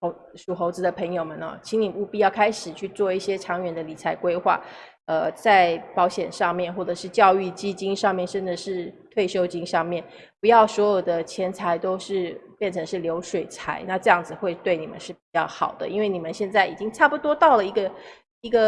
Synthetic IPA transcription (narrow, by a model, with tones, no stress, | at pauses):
ʂu˨˩xo˧˥ʊt͡s̩˧˥d̪ə˧pʰə˧˥ŋjo˨ʊmə˨nə̰˨˩t͡ɕʰi˧˥ŋni˨˩u˥˧˩pi˥˧˩jɑ˥˩ʊkʰa˥ɪʂɻ̩˨˩t͡ɕʰy˥˧t͡swɔ˥˧i˥˩ɕjɛ˥ʈ͡ʂʰɑ˧˥ŋɥɛ˧˥nd̪ə˧li˨˩t͡sʰa˧˥ɪkwe˥ɪxwa̰˥˩ | ə˧t͡sa˥˩ɪpɑ˧˥ʊɕjɛ˨˩nʂɑ˥˧ŋmjɛ˥˧nxwɔ˥˩ʈ͡ʂɤ˨˩ʂɻ̩˥˧t͡ɕjɑ˥˧ʊy˥˩t͡ɕi˥t͡ɕi˥ŋʂɑ˥˧ŋmjɛ˥˧nʂə˥˩nd͡zə˩ʂɻ̩˥˩t̪ʰwe˥˩ɪɕjo˥ʊt͡ɕi˥ŋʂɑ˥˧ŋmjɛ˥˩n | pu˧˥jɑ˥˩ʊswɔ˧˥jo˨˩ʊd̪ə˦t͡ɕʰjɛ˧˥nt͡sʰa˧˥ɪt̪o˥ʊʂɻ̩˥˧pjɛ˥˩nʈ͡ʂʰɤ˧˥ŋʂɻ̩˥˩ljo˧˥ʊʂwe˨˩ɪt͡sʰa˧˥ɪna˥˧ʈ͡ʂɤ˥˧jɑ˥˩ŋd͡zɹ̩˨xwe˥˩˧ɪt̪we˥˩ɪni˨˩mə̰˦nʂɻ̩˥˩pi˨˩t͡ɕjɑ˥˩ʊxɑ˨˩ʊd̪ə̰˦ʔḭ˥nwe˥˩ɪni˨˩mə˦nɕjɛ˥˧nt͡sa˥˩ɪi˨˩t͡ɕi˥ŋʈ͡ʂʰa˥˩pu˧˩t̪wɔ˥t̪ɑ˥˩ʊlə˩i˧˥ɡə˧ | i˧˥ɡə˧